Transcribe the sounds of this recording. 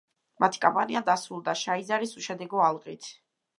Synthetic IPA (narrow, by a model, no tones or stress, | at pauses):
mat̪ʰi̥kʼɔmpʼaniad̪asɾulˠd̪aʃaizaɾisuʃɛd̪ɛɡɔalˠqʼit̪ʰ